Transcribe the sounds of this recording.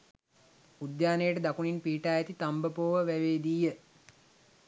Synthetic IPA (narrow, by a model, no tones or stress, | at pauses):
ud̪jaːnejəʈəd̪akuninpiːʈaːjæt̪it̪ambəpoːʋəʋæʋeːd̪iːjə